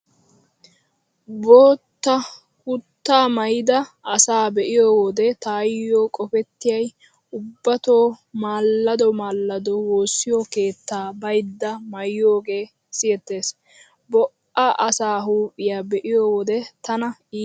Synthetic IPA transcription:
boːt̪ːɐ | hʊt̪ːaːmɐjɪd̪ɐʔɐsaːbɛʔɪjoːwɔd̪ɛt̪aːjːo̞ːkʼɔpɛt̪ːɪjɐj | ʊbːɐt̪o̞ːmaːlːɐd̪ɔmaːlːɐd̪ɔwo̞ːsːɪjɔke̞ːt̪ːaːbɐjd̪ːɐmɐjːo̞ːɡe̞ː | sɪjɛt̪ːe̞ːs | bɔʔaʔɐsaːɦuːpʼːɪjaːbɛʔɪjoːwɔd̪ɛt̪ɐnɐiː

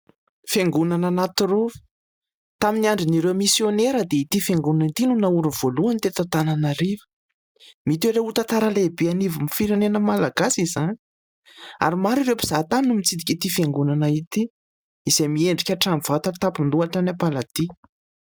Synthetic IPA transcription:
feŋɡunananat̪urovə̥ | t̪aminiaɳɖ͡ʐiniɾewmisjoneɾəd̪eit̪ifeŋɡunanit̪inunauɾuv̥oluanit̪et̪at̪ananaɾivə̥ | mit̪eɾeut̪at̪aɾalebeanivimifiɾenenəmalaɡasizanii | a̰ɾimaɾiɾewpi̥z̥at̪anumit͡sid̪ikʲit̪ifeŋɡunanait̪i | iz̥ejmieɳɖ͡ʐikʲaʈ͡ʂamiv̥at̪at̪apind̪uaʈ͡ʂanapalat̪i

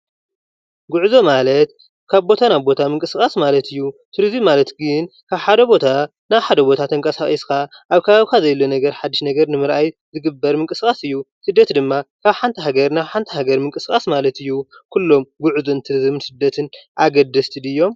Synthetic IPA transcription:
ɡuʕuzo̞malɐt̪̚ | kʰaβbo̞t̪ʰanaβbo̞t̪ʰamɨŋkʼɨskʼasmalɐt̪ʰɨjːut̪ʰɨɾzɨmmːalɐt̪ɡɨnkʰaβħad̪ɐbo̞t̪ʰa | naβħad̪ɐbo̞t̪ʰat̪ʰɐŋkʼɐsaxʼiskʰaʔaβkʰɐβaβikʰazɐjlːonɐɡɐɾħad̪ːiʃnɐɡɐɾnɨmɨɾʔajzɨɡɨbːɐɾmɨŋkʼɨskʼasɨjːusɨd̪ːɐt̪d̪ɨmːakʰaβħant̪ʰɐɦaɡɐɾnaβħant̪ʰɐɦaɡɐɾmɨŋkʼɨskʼasmalɐt̪ɨjːukʰulːo̞mɡuʕuzo̞nt̪ʰɨɾɨzɨmnsɨd̪ːɐt̪ʰɨnʔaɡɐd̪ːɐst̪ʰid̪ɨjːo̞m

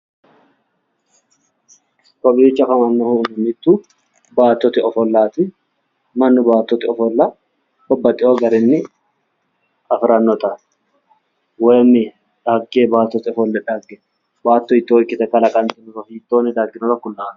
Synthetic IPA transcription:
kɔbiːt͡ʃːɐkɐmɐnːɔhʊnɪmɪt̪ːu | baːt̪ːɔt̪ɪɔfɔlːaːt̪ɪ | mɐnːɪbaːt̪ːɔt̪ɪɔfɔlːa | bɐbːɐt̪ʼːɪoːɡɐɾɪnːɪ | ʔɐfɾɐnːɔt̪ɐ | wɛjmːɪ | ᶑɐɡːebaːt̪ːɔt̪ɪɔfɔlːɛᶑɐɡːɛ | baːt̪ːɔɪt̪ːoːɪkːɪt̪ɛkːɐlɐkʼɐnt̪ɪnʊɾɔfiːt̪ːoːnːɪd̪aɡːɪnɔɾɐkːʊlːaːn

